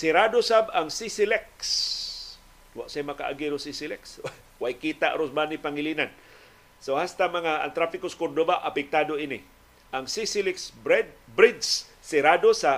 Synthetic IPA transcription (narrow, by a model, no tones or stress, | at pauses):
sɪɾadosabaŋsisilɛks | waʔsajmaka̰ʔa̰ɡiɾosisilɛksa | wajkit̪aʔɾosbanipaŋɪlinan | sohast̪amaŋaa̰ŋt̪ɾafɪkoskord̪obaʔapɪk̚t̪adoini | ʔaŋsisilɛksbdbɾɪd͡ʒsː | ɪɾadosa